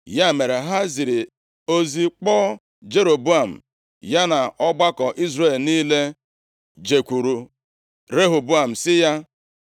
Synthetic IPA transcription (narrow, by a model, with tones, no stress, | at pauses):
ja˦˨me˨ɾe˨ɦa˦zi˨ɾi˨ | o˦zi˦k͡pɔː˦ | d͡ʒe˦ɾo˨bu˦a˨m̩̰˨ | ja˦na˨ɔ˦ɡ͡ba˦kɔ˨ʔi˦zɾe˦˨lniː˦le˦ | d͡ʒe˨kʷu˨ɾu˨ | ɾe˦ɦo˨bu˦a˨m̩˨sɪ˦ja˦